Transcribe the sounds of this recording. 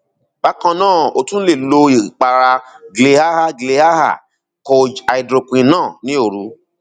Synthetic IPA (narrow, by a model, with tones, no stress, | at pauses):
ba˦kɔ̃˧nãː˦˨o̰˧tũ˦n̩˦le˦˨lo˧i˨k͡pa˨ɾa˧ɡle˧ha˦ha˦ɡle˧ha˦ha̰˦˨ | ko˧d͡ʒa˨i˨dɾo˨˧kũ˧ĩ˧nãː˦˨nĩ˨˦o˦˨ɾu˧˦